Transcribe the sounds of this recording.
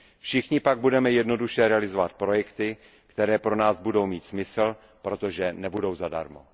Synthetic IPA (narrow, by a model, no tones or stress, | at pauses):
fʃɪxɲɪpaɡ̚budɛmɛjɛdno̞duʃɛɾɛalɪzo̞vat̪̚pɾo̞jɛkt̪ɪ | kt̪ɛɾɛːpɾo̞naːzbudo̞wmiːt̪smɪsl̩ | pɾo̞t̪o̞ʒɛnɛbudo̞wzada̰ɾmo̰